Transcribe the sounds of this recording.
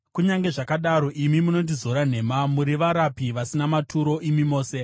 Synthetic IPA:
kuɲaŋɡe̞ʐakaɗaɾo̞ʔimimuno̞ndizo̞ɾan̤e̞ːmamuɾiʋaɾapiʋasinamatʰuɾo̞ʔimimo̞ːse̞

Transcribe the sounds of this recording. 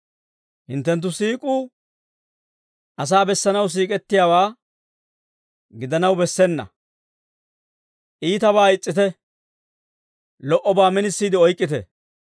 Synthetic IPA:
hɪnt̪ːɛnt̪̬ːʊsiːkʼuː | ʔɐs̬aːbɛsːɐnɐws̬iːkʼɛt̪ːɪjaːwaː | ɡɪd̪ɐnɐwbɛsːɛnːɐ̰ | ʔiːt̪ɐβaːɪt͡sʼːɪt̪ɛ | lɔʔɔbaːmɛnɪsːiːd̪ɪɔjkʼːɪt̪ɛ̰

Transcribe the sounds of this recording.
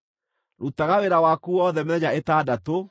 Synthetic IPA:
ɾutaɣaweɾawaːkuɔðɛmɛɲaetaːdato

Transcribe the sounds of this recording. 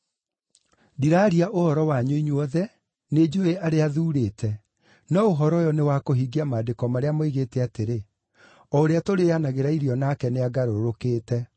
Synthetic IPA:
diɾaɾiaʔohɔɾɔwaɲoiɲwɔðɛ | ned͡ʒoeʔaɾeaðuːɾeːtʰɛ | nɔoɦɔɾɔjɔnewakoɦiɡiamaːdekɔmaɾeamoiɣeːtɛateɾe | ɔoɾeatoɾeanaɣeɾaiɾiɔnakɛneaɡaɾoɾokeːtɛ

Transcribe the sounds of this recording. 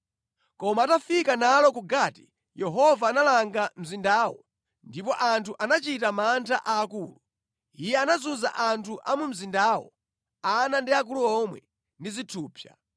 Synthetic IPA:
kɔmaːtafikanalɔkuɡaːti̥ | jɛɦɔvaːnalaŋɡam̩zindaːwɔ̰ | ndipɔʔantʰuʔanat͡ʃitamantʰaʔaːkuːlu | ijɛanazuza̰ʔantʰuʔa̰mum̩zindaːwɔ̰ | anandiak̬uluɔmwɛ̰ | ndizitʰuːpʰja̰

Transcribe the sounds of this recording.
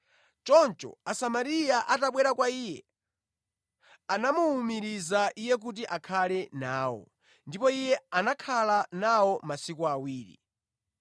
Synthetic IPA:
t͡ʃɔnt͡ʃɔ̰asamaɾijaʔataɓwɛɾakwaiːjɛ̰ | anamuːmiɾizaʔijɛk̬ut̬iʔakʰalɛnaːwɔ̰ | ndipɔijɛanakʰalanawɔmasikuawiːɾḭ

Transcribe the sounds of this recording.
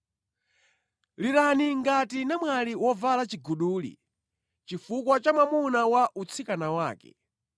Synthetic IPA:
liɾaniŋɡatinamwaliwɔvalat͡ʃiɡuɗuːlḭ | t͡ʃifukwat͡ʃamamunawaʔut͡sʰikanawaːkɛ̰

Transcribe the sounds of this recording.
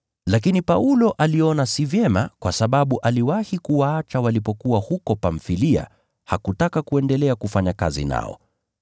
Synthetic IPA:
lakinipaulɔʔaliɔnasivjɛma̰kwasaɓaɓuʔaliwahikuwaat͡ʃawalipɔkuwahukɔpaɱfilia̰ | hakutakakuɛndɛlɛakufaɲaka̰zḭna̰ɔ̰

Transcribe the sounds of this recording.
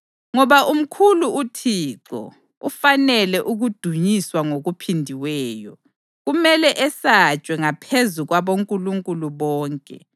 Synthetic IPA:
ŋɔβaʔum̩kʰuluutʰiːǁɔ̰ | ufanɛlɛʔuɣud̥ʱuɲiswaŋoɣupʰindʱiwɛːjɔ̰ | ɣumɛlɛʔɛsat͡ʃʼwɛŋapʰezuɣwaβoŋkʼuluŋkʼuluβɔːŋkʼɛ̰

